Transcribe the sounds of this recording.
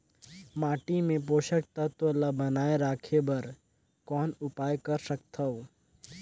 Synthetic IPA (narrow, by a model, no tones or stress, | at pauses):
maːʈimẽpoːʃək̚t̪at̪oəlːabɐnaːeɾaːkʰebɐɾ | kɔːnʊpaːjkɐɾsəkt̪ʰɐoː